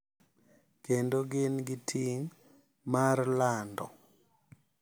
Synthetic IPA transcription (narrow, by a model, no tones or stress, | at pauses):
kendoɡɪnɡɪtʰiŋ | marlandɔ̰